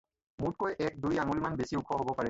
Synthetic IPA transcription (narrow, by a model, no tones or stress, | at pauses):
mut̚kojʔɛk̚dujaŋulmanbesiʊkʰːɔɦobɔpaɹɛ